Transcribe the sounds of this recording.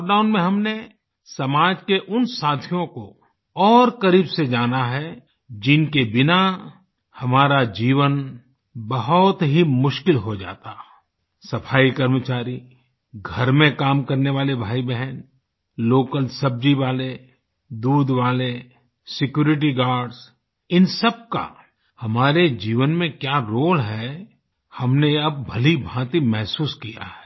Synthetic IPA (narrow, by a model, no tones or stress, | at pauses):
k̚ɖaːʊnmẽɦɐmne | sɐmaːd͡ʒkeʔʊnsaːt̪ʰijõko | ɔːɾkəɾiːbsed͡ʒaːnaɦɛ | d͡ʒɪnkebɪna | hɐmaːɾad͡ʒiːʋən | bəɦʊt̪ɦimʊʃkɪlɦod͡ʒa̰ːt̪a | sɐpʰaːikɐɾmət͡ʃaːɾi | ɡʱɐɾmẽkaːmkɐɾneʋaːlebʱaːibɛɦɛn | loːkəlsɐb̚d͡ʒiʋaːle | d̪uːd̪ʋaːle | sɪkjuːɾɪʈ̬iɡaːɾɖz | ɪnsəb̚ka̰ | hɐmaːɾed͡ʒiːʋənmẽkjaɾoːlɦɛ | hɐmneɐb̚ːʱɐlibʱãːt̪imɛɦsuːskija̰ɦɛː